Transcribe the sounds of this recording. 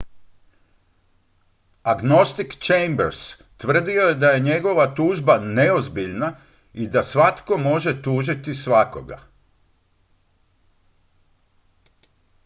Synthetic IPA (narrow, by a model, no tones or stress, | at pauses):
aɡno̞st̪ikt͡ʃejmbeɾs | t̪ʋr̩d̪io̞jed̪aje̞ɲe̞ɡo̞ʋat̪uːʒbane̞o̞zbiʎna | id̪asʋat̪ko̞mo̞ʒe̞t̪uːʒit̪isʋako̞̰ɡa̰